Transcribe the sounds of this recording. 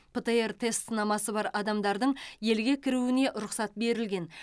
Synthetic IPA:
pʰet̪eert̪ʰe̞st̪sənɑmɑsəbɑɾɑd̪ɑmd̪ɑɾd̪əɴje̞lɡʲe̞kʲʰɪɾuwɪne̞ʔɾʊqsɑt̪̚be̞ɾɪlɡʲe̞n

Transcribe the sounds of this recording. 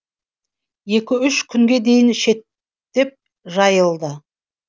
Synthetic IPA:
je̞kʲɪʏʃkʲʰʏŋɡʲe̞d̪e̞jɪnʃe̞t̪ː | e̞p̚ | ʒɑjəlˠd̪ə

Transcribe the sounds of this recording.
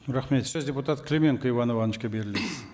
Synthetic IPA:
ɾɑχme̞t̪sɵzd̪ʲeput̪at̪klʲemʲeŋqəjvɑnovɑnəʃkʲebe̞ɾɪled̪ɪz

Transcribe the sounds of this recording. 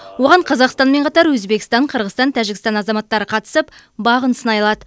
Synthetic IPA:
wo̞ʁɑɴqʰɑzɑqst̪ɑnme̞ɴqʰɑt̪ɑɾwɵzbe̞kʲɪ̥st̪ɑɴqʰəɾʁəst̪ɑnt̪ʰæʒɪkʲɪst̪ɑnɑzɑmɑt̪ːɑɾəqʰɑt̪ə̥səp | bɑʁənsənɑjlˠɑd̪ə

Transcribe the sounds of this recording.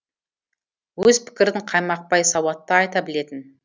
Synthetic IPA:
wɵzpʰɪ̥kʲɪɾd̪ɪŋqʰɑjmɑq̚pɑjsɑwɑt̪ːɑɑjt̪ɑbɪle̞t̪ɪn

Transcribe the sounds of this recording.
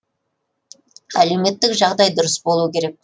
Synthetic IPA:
æle̞me̞t̪ːɪkʒɑʁd̪ɑjd̪ʊɾəsbo̞lˠuəkʲʰe̞ɾe̞k̚

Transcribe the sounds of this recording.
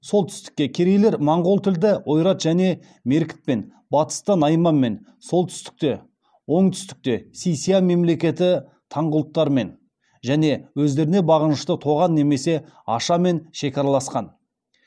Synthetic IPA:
so̞lˠt̪ʰʏ̥st̪ɪ̥kʲːe̞kʲʰe̞ɾejle̞ɾmɑɴʁolˠt̪ʰɪld̪ɪwo̞jɾɑt̪ʒ̥æne̞ | me̞ɾkʲɪ̥t̪̚pe̞n | bɑt̪ə̥st̪ɑnɑjmɑːe̞n | so̞lˠt̪ʰʏst̪ɪ̥k̚t̪e̞ | wo̞ɴt̪ʰʏ̥st̪ɪ̥k̚t̪e̞sijsijame̞mle̞kʲe̞t̪ɪ | t̪ʰɑɴʁʊlˠət̪ːɑɾme̞n | ʒæne̞wɵzd̪e̞ɾɪne̞bɑʁənəʃt̪ət̪ʰo̞ʁɑnːe̞me̞se̞ɑʃɑme̞nʃe̞kʲɑɾɑlˠɑsqɑn

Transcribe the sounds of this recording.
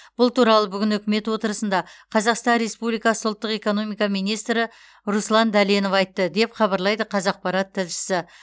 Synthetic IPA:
b̥ʊlˠt̪uɾɑlˠəbʏɡʲɪnʏkʲɪme̞t̪wo̞t̪əɾəsənd̪ɑqʰɑzɑqst̪ɑnɾe̞spublijkɑsəʊlˠt̪ːəqe̞ko̞no̞mijkɑmijnijst̪ɾɪ | ɾuslˠɑnd̪æleno̞fɑjt̪ːəd̪e̞pχɑβɑɾlˠɑjd̪əqʰɑzɑq̚pɑɾɑt̪ʰːɪlʃɪ̥sɪ

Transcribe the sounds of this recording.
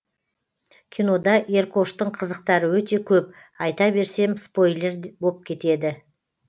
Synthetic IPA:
kʲʰijno̞d̪ɑʔe̞rkʰo̞ʃt̪əɴqʰəzəq̚t̪ɑɾəwɵt̪e̞kʲʰɵp̚ | ɑjt̪ɑbe̞ɾse̞mspo̞jle̞ɾbo̞p̚kʲʰe̞t̪e̞d̪ɪ

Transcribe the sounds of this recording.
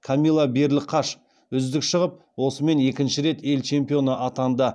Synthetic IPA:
kʰamʲilˠabe̞ɾlɪqʰɑʃ | ʏzd̪ɪkʃəʁəp̚ | wo̞səme̞ne̞kʲɪnʃɪɾe̞t̪e̞lt͡ʃʰe̞mpijo̞nəʔɑt̪ɑnd̪ɑ

